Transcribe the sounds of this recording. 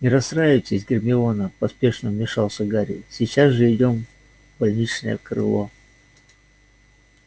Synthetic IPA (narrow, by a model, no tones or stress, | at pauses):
nʲɪɾɐsɾajɪt͡s̪ʲəɪzʲɡʲɪrmʲɪonəpɐspʲe̞ʂnəmʲɪʂɑlˠsʲəɡaɾʲɪ̰sʲɪt͡ɕːazʐɨɪdʲo̞m | bɐlʲnʲit͡ɕnə̰jə̰kɾɨ̰lˠo